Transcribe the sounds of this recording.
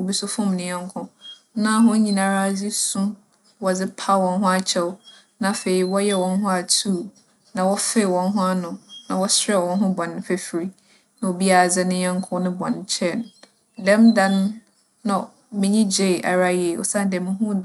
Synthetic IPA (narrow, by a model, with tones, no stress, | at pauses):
o˨bi˦sʊ˦fʊ̃˦mnɪ̃˨˦ɛ̃˦ŋ˦kʰʊ̃˦ | nã˦˨˦ɦʊ̃˦ɲĩ˨nã˨ɾa˦d͡zi˦sʊ̃˦ | wɔ˨d͡zɪ˦pʰa˦wɔ̃˨nɦʊ̃˦a˨t͡ɕʰɛ˦wʊ˦ | nã˨fe˨i˨wɔ˦jɛ˦wɔ̃˨nɦʊ̃˦a˨tʰu˦˨ | nã˨wɔ˦fɛ˦˨wɔ̃˨nɦʊ̃˦a˦nʊ̃˨nã˨wɔ˦sɛ˦˨wɔ̃˨nɦʊ̃˦bɔ̃˨nːɪ̃˦fɛ˦fɾi˦ | nã˨o˨bi˦a˨d͡zɪ˦nɪ̃˦ɲɛ̃˦ŋ˦kʰʊ̃˦nɪ̃˦bɔ̰̃˨nt͡ɕʰɛ˦˨n | dɛ̃˦mdã˦nː˦ | ã˨ | mɪ̃˦ɲĩ˦d͡ʑe˦˨ʔa̰˨ɾa˦je˨o̰˨sã˦˨n˨dɛ̃˨m˦ɦʊ̃˦